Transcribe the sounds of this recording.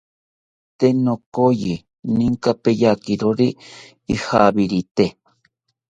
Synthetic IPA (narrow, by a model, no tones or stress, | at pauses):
t̪enokoji | nĩŋkapejakiɾoɾiː | haβiɾit̪e